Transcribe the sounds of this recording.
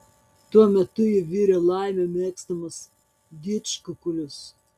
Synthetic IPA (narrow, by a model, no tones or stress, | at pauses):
t̪uɔmʲɛt̪ʊjɪʋʲiːɾʲɛlˠɑˑɪmʲɛmʲeːkst̪ɐmɐs | d̪ʲiːt͡ʃkʊkʊlʲʊs